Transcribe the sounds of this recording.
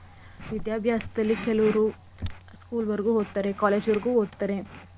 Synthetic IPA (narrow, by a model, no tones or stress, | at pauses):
ʋid̪jaːbʱjaːsɐd̪ɐlːikɛlɐʋɐɾu | skuːlʋɐɾɡuːɦoːd̪̚t̪ːaːɾekaːleːd͡ʒʋɐɾɡuːɦoːd̪̚t̪ːaɾe̞